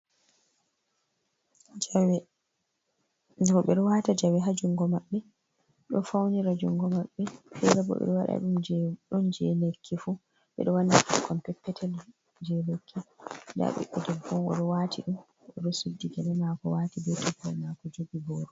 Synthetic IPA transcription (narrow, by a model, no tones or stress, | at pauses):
w | ɔɓɛɗɔwatad͡ʒawɛɦad͡ʒuŋɡɔmaɓːɛ | ɗɔfawniɾad͡ʒuŋɡɔmaɓːɛfɛɾabɔ̰ɓɛ̰ɗɔwaɗa̰ɗumd͡ʒɗɔnd͡ʒɛlekʰːifu | ɓɛ̰ɗɔwandaʔukʰɔmpɛpːɛtʰɛl | d͡ʒɛlekʰːida̰ɓɛ̰ʔɔdɛbɔmɔ̰ɗɔwaːtʰiɗum | ʔɔɗɔsudːiɡɛlɛmakɔwatibɛtɔbɔmakɔd͡ʒoɡibɔːɾɔ